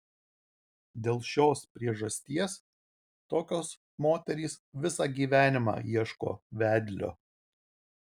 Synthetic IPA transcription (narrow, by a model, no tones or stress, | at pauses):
d̪ʲeːlˠʃʲoːspʲɾʲiɛʒɐsʲt̪ʲiɛs | t̪oːkʲoːs | moːt̪ʲɛɾʲiːsʋʲɪsɑɡʲiːʋʲæːnʲɪmɑ̰ːiɛʃko̰ːʋʲæːd̪ʲlʲo̰